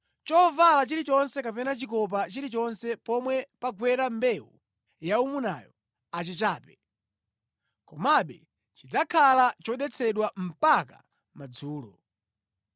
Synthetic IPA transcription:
t͡ʃɔvalat͡ʃiɾit͡ʃɔnsɛkapɛnat͡ʃikɔp̬at͡ʃiɾit͡ʃɔnsɛpɔmwɛpaɡwɛɾambɛwṵ | jaumuna̰jɔ | at͡ʃit͡ʃaːpɛ | kɔmaɓɛ | t͡ʃid͡zakʰalat͡ʃɔɗɛt͡sʰɛɗwam̩paka̰ | mad͡zuːlɔ̰

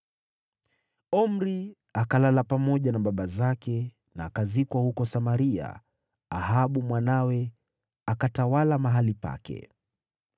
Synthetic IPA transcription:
ɔm̩ɾi | akalalapamɔʄanaɓaɓazakɛ | naːkazikwahukɔsamaɾia̰ | ahaɓumwanawɛ | akatawalamaɦalipa̰kɛ̰

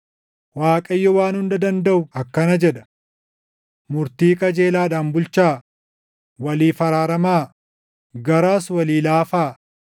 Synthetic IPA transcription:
waːkʼɐjːɔwaːnhʊnd̪ɐd̪ɐnd̪ɐʔʊɐkːɐnɐd͡ʒɛᶑɐ̥ | mʊɾt̪iːkʼɐd͡ʒeːlaːᶑaːnbʊlt͡ʃaː | wɐliːfɐɾaːɾɐmaː | ɡɐɾaːswɐliːlaːfaː

